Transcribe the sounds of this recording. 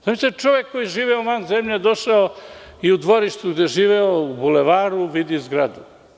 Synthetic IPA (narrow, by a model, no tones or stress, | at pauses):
samiset͡ʃoʋjekːojiʒiːʋeoʋanzemʎed̪o̞ʃao | iud̪ʋo̞ɾiʃt̪uɡd̪eʒiːʋeoubuleʋaːɾuʋid̪izɡɾad̪u